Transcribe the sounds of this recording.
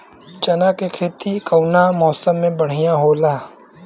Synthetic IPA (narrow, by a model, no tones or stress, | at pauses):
t͡ʃɐnakekʰeːt̪ikɐwnamɔːsəmːẽbɐɽ̤ijãɦoːlaː